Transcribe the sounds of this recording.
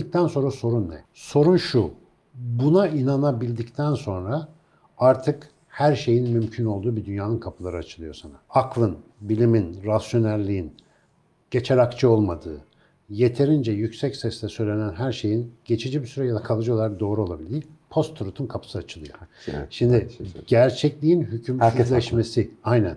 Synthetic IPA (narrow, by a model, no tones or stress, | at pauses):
ik̚t̪ʰænso̞nɾaso̞ɾunːɛ | so̞ɾunʃu | bunainanabilʲd̪ict̪ʰænso̞nɾa | aɾt̪ʰɯk | hæɾʃe̞jinmymcʰyno̞lˠd̪uːbid̪ynjaːnɯnkʰapʰɯlˠaɾɯat͡ʃʰɯlˠɯjo̞sanaaklˠɯnbilʲiminɾasjo̞næɾʲlʲijin | ɟ̥e̞t͡ʃʰeɾakt͡ʃʰɯo̞lˠmad̪ɯː | je̞t̪ʰe̞ɾind͡ʒɛjycsɛcsɛslʲɛsø̞jlʲenænɦæɾʃe̞jinɟ̥e̞t͡ʃʰid͡ʒibisyɾɛjad̪akʰalˠɯd͡ʒɯolˠaɾak̚d̪o̞ːɾuo̞lˠabilʲipʰo̞st̪ʰːuɾut̪ʰunkʰapʰɯ̥sɯat͡ʃʰɯlˠɯjoʃimd̪iɟæɾt͡ʃʰɛclʲijinɦycʰymlʲɛʃme̞siajnæn